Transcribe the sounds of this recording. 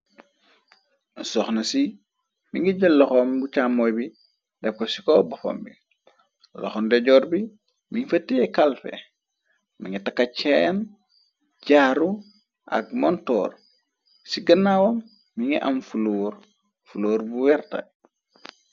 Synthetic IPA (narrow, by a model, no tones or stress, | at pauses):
sɔxnɐsi | miŋɡiɟəlːɔxɔmbut͡ʃamːɔjbi | dɛp̚kosi̥kɔbɐfo̰mbi | lɔ̰xɔndɛɟɔːɾbi | miŋfɐtːijɛkalfɛ̰ | miŋɡitakːacɛn | ɟaːɾu | ʔa̰ɡ̚mɔntɔ̰ːɾ | siɡɐnːawomː | iŋɡiʔamfuloːɾ | fuloːɾbuwɛɾtɐ̰